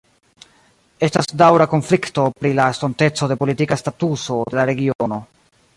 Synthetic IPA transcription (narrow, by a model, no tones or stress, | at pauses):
e̞stasdawɾako̞nflikto̞pɾilastonte̞t͡so̞de̞po̞litikastatuso̞de̞laɾe̞ɡiono̞